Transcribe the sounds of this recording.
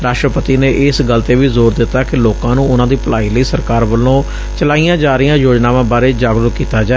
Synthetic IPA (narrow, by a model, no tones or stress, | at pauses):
ɾaːʃʈɾəpət̪iːneːʔɪsɡəlt̪eːʋiːzoːɾd̪ɪt̪ːaːkɪloːkãːnũːʊnãːd̪iːpəlaːiːləiːsəɾkaːɾʋəlːõː | t͡ʃəlaːijãːd͡ʒaːɾɪjãːjoːd͡ʒnaːʋãːbaːɾeːd͡ʒaːɡɾəkkːiːt̪aːd͡ʒaː